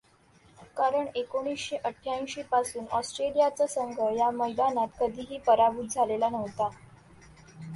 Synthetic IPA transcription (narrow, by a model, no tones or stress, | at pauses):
kaɾəɳekoɽ̃iːsɕeʔəʈʰːjaĩɕepasuːnɔsʈɾelijat͡səsəŋɡʱəjaməjd̪anat̪kəd̪ʱiːɦiːpəɾabuːt̪̚d͡zʱalelanəʋt̪a